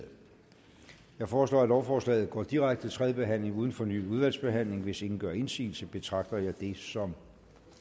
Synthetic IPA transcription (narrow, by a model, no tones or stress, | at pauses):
jɑ̈ɪfɒːslɔ̰ːæd̥ɾɒʊfɒːslɛ̰ːð̞̩ˠɡ̥ɒ̰ːd̥iʁaɡ̥̚d̥ət͡sʰʁɛðˠəb̥e̝ɦæn̰le̝ŋuːð̞ˠn̩fɒ̽ny̰ːuð̞ˠʋæl̰sb̥e̝ɦæn̰le̝ŋʋe̝se̝ŋn̩ɡ̥ɶɐe̝nsḭːlsəb̥e̝t͡sʰʁɑ̈ɡ̥̚d̥ɐjɑ̈ɪd̥e̝sɒ̽m